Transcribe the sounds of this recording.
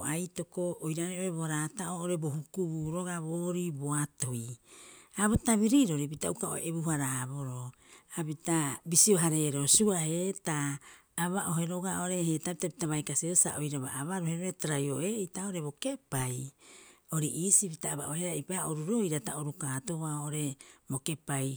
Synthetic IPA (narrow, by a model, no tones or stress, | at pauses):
ajto̞koʔːjɾaɾeo̞ɾeboɾataooɾebo̞hukubuɾo̞ɡaβoːɾibo̞atoi | abotaβiɾiɾo̞ɾip̬itaukao̰eʔebuɦaɾaboɾo | apitabisio̞ɦaɾe̞ɾosuahetaː | βaʔo̞ɦe̞ɾo̞ɡaʔoɾe̞hetapitapitaβajkasiosa̰ʔojɾaβaʔaβaɾoheɾoetaɾajoʔeitaoɾe̞bo̞ke̞paj | o̞ɾiʔisipitaːβa̰ʔoheɾaipaoɾuɾoiɾataoɾukaːtoβaooɾe̞boke̞paj